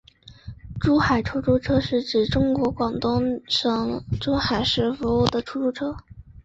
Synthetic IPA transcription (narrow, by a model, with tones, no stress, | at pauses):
ʈ͡ʂu˥xa˨˩ɪʈ͡ʂʰu˥ʈ͡ʂu˥˧ʈ͡ʂʰɤ˥ʂɻ̩˥˩ʈ͡ʂɻ̩˨˩ʈ͡ʂʊ˥ŋkwɔ˧˥kwɑ˨˩ŋt̪ʊ˥ŋʂɤ˧˥ŋʈ͡ʂu˥xa˨˩ɪʂɻ̩˧˥fu˧˥u˥˩d̪ə˩ʈ͡ʂʰu˥ʈ͡ʂu˥˩ʈ͡ʂʰɤ˥